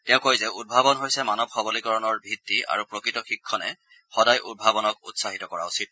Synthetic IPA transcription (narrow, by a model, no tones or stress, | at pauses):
tɛʊ̃kojzɛud̚bʱabɔnɦojsɛmanɔb̚xʰɔbɔlikɔɹɔnɔɹbʱitːia̰ɹupɹokɹitɔxikʰːɔnɛ̰ | xɔdajʔud̚bʱabɔnɔkṵtsaɦitɔkɔɹa̰usit̚